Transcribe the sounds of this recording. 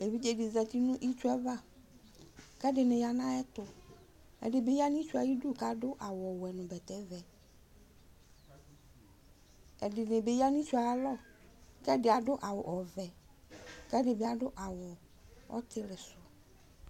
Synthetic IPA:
e˨vi˦d͡ʒe˨dɪ˨zɛ˨ti˦nʊ̃˦ʔi˦t͡ʃu˦ɛ˦va˦˨ | kɛ˦dɪ˨nɪ̃˨ja˨nã˦ɛ˦tʊ˨ | ɛ̰˨dɪ˨bɪ˨˦ja˦ni˦t͡ʃu˦a˨ji˦du˦˨ka˦dʊ˦ʔa˨wɔ˨wɛ˨nʊ̃˨bɛ˨tɛ˦vɛ˨ | ɛ˨dɪ˨nɪ˨bɪ˨˦ja˦ni˦t͡ʃu˦a˨˦lɔ˦kɛ˦dɪ˨a˨dʊ˦ʔa˨wʊ˨ʔɔ˨vɛ˨ | kɛ˦dɪ˨bɪ˨˦a˨dʊ˦ʔa˨wʊ˨ | ɔ̰˦t̪ʰɪ˦lɪ˨sʊ˨

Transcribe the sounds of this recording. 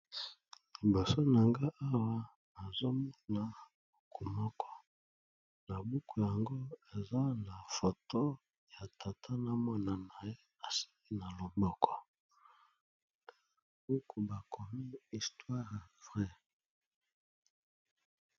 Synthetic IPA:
li˨bo˨so˦na˨ŋɡa˦ʔa˦wa˦ | a˨zo˦mɔ˦na˨ | bu˨˦kʰu˨mɔ˦kʰɔ̥˦ | na˨bu˦ku˨ja˨ŋɡo˦e˨za˦na˨fo˨to˦ | ja˨tʰa˨tʰa˦na˦mɔ˦na˨na˨je˦ | a˨si̥˦li˦na˨lo˨bɔ˦kʰɔ̥˨˦ | bu˦ku˨ba˨kʰo˨mi˦i˨stwa˦ʁvʁɛ˦

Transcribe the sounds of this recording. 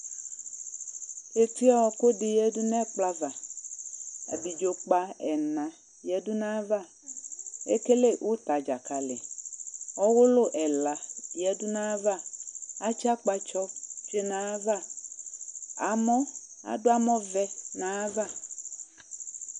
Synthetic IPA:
e˨ti˦ɔ˦wɔ˨ko˦dɪ˨jɛ˦dʊ˦nɛ˦k͡pla˦va˨ | a̰˨bi˨d͡ʒo˨k͡pa˦ɛ˨nã˨ | jɛ˨dʊ˦nã˦va˦˨ | ḛ˦ke˦le˦wʔʊ˦t̪a˨d͡ʒa˨ka˨lɪ˨ | ɔ˦wʊ˦lʊ˦ʔɛ˨la˨jɛ˦dʊ˦nã˦va˦a˦t͡ʃa˦k͡pa˨t͡ʃɔ˦t͡ʃe˦nã˨˦va˦ | a̰˨mɔ̃˦ | a̰˨dʊ˦a˦mɔ˦vɛ˦nã˨˦va˦˨

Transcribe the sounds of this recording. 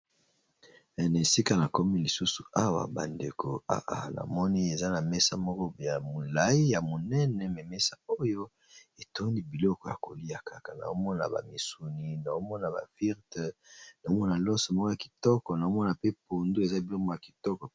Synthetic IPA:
ɛ˨na˨e˨si˦ka˦na˨kɔ˦mi˦li˨su˦su˨a˦wa̰˨ba̰˨nde˨kʰo̰˨a̰˨ʔa̰˨na̰˨mɔ˦ni˦e˨za˦na˨mɛ˦sa˦mɔ˦kɔ˦ja˨mo˨la˨˦ji˦ja˨mo˨nɛ˦nɛ˨me˨mɛ˦sa˦o˦jo˦ | e˨to˦ndi˦bi˨lɔ˦kɔ˦ja̰˨ko˨li˦a˨ka˨ka˨na̰˨o˦mɔ˦na̰˨ba̰˨mi˨su˨ni˨na˨o˦mɔ˦na˨ba̰˨vi˦ʁtɛ˨na˨o˦mɔ˦na˨lɔ˦sɔ˨mɔ˦kɔ˦ja˨ki̥˨tɔ˦kɔ˨na˨o˦mɔ˦na˨pe˦p̚o˨ndu˦e˨za˦bi˨lɔ˦kɔ˨ja˨ki̥˨tɔ˦kɔ˨

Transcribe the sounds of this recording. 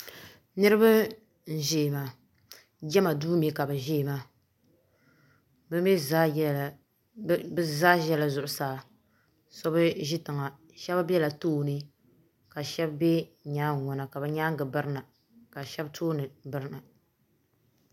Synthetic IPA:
nɨ˦ɾɨ˦ba˦ | n̩˨ʒeː˦˨ma˨ | d͡ʒɛ˦ma˨duː˦mi˨ka˨bɨ˨ʒeː˦˨ma˦ | bɨ˦mɛ˦a˦˨ | bɨ˦zaː˦ʒɛ˦la˨zʊ˨ʔʊ˨saː˨ | sɔ˦bɨ˦ʒi˦tɨ˨ŋa˨ | ʃɛ˦bbɛ˦la˨toː˦˨nɨ˦ | ka˨ʃɛ˦bbɛ˦˨ɲaː˦ŋ˨ŋɔ˨na˨ka˨bɨ˨ɲaː˦ŋ˦ɡɨ˨bɨ˦ɾɨ˦na˨ | ka˨ʃɛ˦btʰoː˦nɨ˨bɨ˦ɾɨ˦na˨

